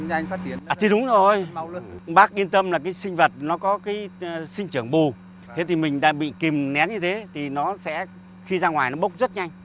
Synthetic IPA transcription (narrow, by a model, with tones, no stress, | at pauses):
ŋfaː˦˥t̚t͡ɕi˨˦ənaː˨˩t̪ʰi˧ɗʊ˨˦ŋ͡mzo˨˩jɓaː˦˥k̚ʔi˧nt̪ə˧mlaː˨˩kaː˨˦jsï˧ŋ̟və˨˩t̚nɔ˨˦kɔ˨˦kaː˨˦jsï˧ŋ̟t͡ɕɨ˧˩əŋɓu˨˩ | t̪ʰe˨˦t̪ʰi˨˩mï˨˩ŋ̟ɗa̰ː˧ŋɓḭ˧˨ki˨˩mnɛ˨˦nɲɨ˧t̪ʰe˨˦t̪ʰi˨˩nɔ˨˦sɛ̰˧˥ | xi˧zaː˧ŋwaː˨˩jnɔ˨˦ɓə˦˥wk͡p̚zə˦˥t̚ɲa˧jŋ̟